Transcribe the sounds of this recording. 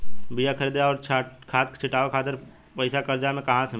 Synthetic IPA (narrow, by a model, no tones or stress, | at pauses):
bijakʰəɾiːd̪aɔːɾt͡ʃʰakʰaːt̪t͡ʃʰɪʈaːʋekʰaːt̪əɾ | pəɪsakəɾd͡ʒamẽkɐɦãsɐm